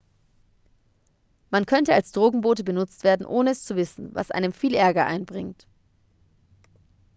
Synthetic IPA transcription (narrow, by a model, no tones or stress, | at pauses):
mankʰœntəalsd̥ʁoːɡŋ̩boːtəbənʊt͡stv̥eːɐdn̩ʔoːnəɛst͡suvɪsn̩va̰sʔa̰ɪnəmfiːlʔɛɐɡɐʔa̰ɪnbʁɪŋt